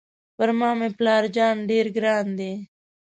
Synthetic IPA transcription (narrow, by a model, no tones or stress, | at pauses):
pɐɾmãːmẽːplaːɾd͡ʒaːnɖeːɾɡɾaːnd̪eː